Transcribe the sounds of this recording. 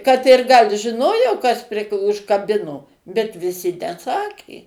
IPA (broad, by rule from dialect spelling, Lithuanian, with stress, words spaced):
kɐt ɪr ɡɐlʲ ʒʲɪˈnoːjoː kɐs pʲrʲɪ ʊʃkɐˈbʲɪnoː bʲɛt ʋʲɪˈsʲɪ nʲɛˈsɑːkʲeː